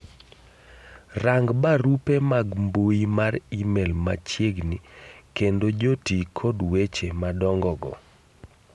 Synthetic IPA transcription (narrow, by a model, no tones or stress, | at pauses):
raŋɡbaɾupemaɡmboimaɾimɛlma̰t͡ʃjeɡnikendod͡ʒotikʰɔdwet͡ʃemadɔŋɡɔɡɔ̰